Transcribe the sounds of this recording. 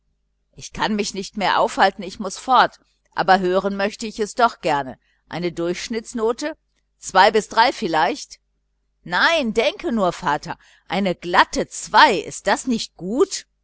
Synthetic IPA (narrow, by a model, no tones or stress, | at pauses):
ʔɪçkʰanmɪçnɪçtmeːɐʔaʊfhaltn̩ɪçmʊsfɔɐt | ʔa̰ːbɐɦøːʁ̞ənmœçtəɪçɛsd̥ɔχɡ̥ɛɐnə̰ | ʔa̰ɪnədʊɐçʃnɪt͡snoːtə | t͡sv̥aɪbɪsd̥ʁaɪfɪlaɪçt | naɪndɛŋkʰənuːɐfaːtʰɐ | ʔaɪnəɡlatət͡sv̥aɪʔɪ̰st̚d̥asnɪçt̚ɡ̥uːt